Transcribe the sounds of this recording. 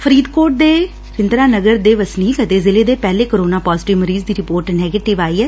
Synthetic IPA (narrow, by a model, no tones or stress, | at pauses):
fʰəɾiːd̪koːʈ̚d̪eː | ɾɪnd̪ɾaːnəɡəɾd̪eːʋəsniːkət̪eːzɪleːd̪eːpɛːleːkəɾoːnaːpɔːzʈɪʋməɾiːzd̪iːɾɪpoːɾʈnɛːɡeːʈɪʋaːiːɛː